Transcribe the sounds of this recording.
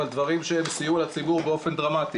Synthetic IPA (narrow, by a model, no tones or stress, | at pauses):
ald̪vaʁimʃeembsijualat͡sibuʁbeo̞fe̞nd̪ʁamat̪i